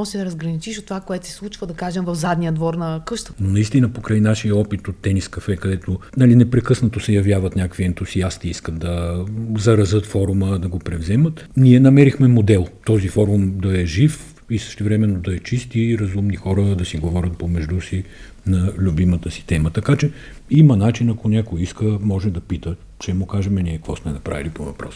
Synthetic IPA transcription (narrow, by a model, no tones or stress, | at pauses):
ɔsɛd̪ɾɐzɡɾɐnit͡ʃiʃot̪ːovakoɛt̪sɛ̥slˠut͡ʃvəd̪ɐkaʒɛmvɐfzad̪nijəd̪vɔɾnɐkɤʃt̪ənonɐist̪inəpokɾajnaʃijəɔpit̪ot̪ːɛniskɐfɛkɐd̪ɛt̪onalinɛpɾɛkɤsnət̪osɛjɐvʲjavət̪nʲakəkviɛnt̪usiast̪iiskət̪d̪ɐzɐɾɐzɤt̪fɔɾuməd̪ɐɡopɾɛvzɛmət̪niɛnɐmɛɾixmɛmod̪ɛlˠt̪ɔzifɔɾumd̪ɐɛʒif | isə̥ʃt̪ɛvɾɛmɛnːod̪ɐɛt͡ʃist̪iɾɐzumnixɔɾəd̪ɐsiɡovɔɾʲət̪̚pomɛʒd̪usi | nɐlʲubimət̪əsi̥t̪ɛmət̪ɐkat͡ʃɛ | imənat͡ʃinɐkonʲakoiskəmɔʒɛd̪ɐpit̪ə | t͡ʃɛmokaʒɛmɛniɛkvɔsmɛnɐpɾa̰vilipovɐpɾɔ̰s